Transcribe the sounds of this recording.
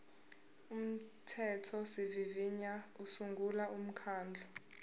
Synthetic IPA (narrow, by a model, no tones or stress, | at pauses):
um̩tʰɛtʰɔsiviviɲausuŋɡʱulaʔum̩kʰaːnd͡ɮʱɔ